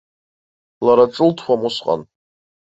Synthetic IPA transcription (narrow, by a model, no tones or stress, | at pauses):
laɾaʈ͡ʂʼɨltʰχʷamʊsqʼa̰n